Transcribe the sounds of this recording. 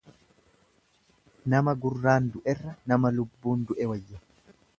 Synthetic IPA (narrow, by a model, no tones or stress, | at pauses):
nɐmɐɡʊrːaːnd̪ʊʔɛrːɐnɐmɐlʊbːuːnd̪ʊʔɛwɐjːɐ